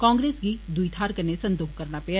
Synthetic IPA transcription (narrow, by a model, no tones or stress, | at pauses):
kãːŋɡɾeːsɡiːd̪ʊit̪ʰaːɾkənesənd̪oːxkəɾnaːpɪa